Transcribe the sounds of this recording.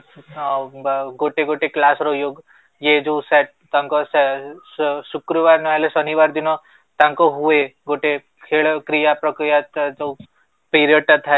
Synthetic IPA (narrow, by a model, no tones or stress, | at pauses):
ɡoʈeɡoʈeklasɾojoːɡ | jed͡ʒosɛʈ̚t̪ãŋkɔsɛ | sukɾəʋaːɾnɔɦɛlesɔniʋaɾd̪inɔ | t̪ãŋkoɦueɡoʈe | kʰeːɭkɾijapɾɔkɾijat̪d͡ʒo | piːɾijəɖ̚ʈat̪ʰa